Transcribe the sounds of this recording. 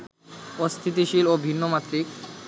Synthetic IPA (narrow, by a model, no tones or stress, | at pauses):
ost̪ʰit̪̬iʃilobʱinːomat̪ːɾik